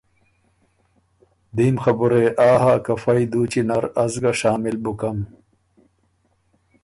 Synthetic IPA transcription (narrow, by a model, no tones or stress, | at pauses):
d̪iːmxɐbuɾeʔaːɦaːkɐfɐid̪uːt͡ɕinɐɾɐzɡɐɕaːmilbukɐm